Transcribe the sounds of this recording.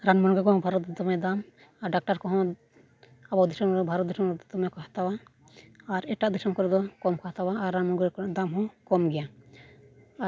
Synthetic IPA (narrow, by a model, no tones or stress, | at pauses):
ɾanmɔnɡɛkɔɦɔ̃bʱaɾɔt̪̚d̪ɔt̪ɔmɛd̪am | aɾɖak̚ʈaɾkɔɦɔ̃ | abawd̪isɔmɾd̪ɔbʱaɾɔt̪̚d̪isɔmɾɛd̪ɔt̪ɔmɛkaht̪awaː | ɾɛʈaʔd̪isɔmkɔɾɛd̪ɔkɔmkaɦat̪awaːɾːanmɔnɡɛkɔd̪amɦɔ̃kɔmɡɛja | a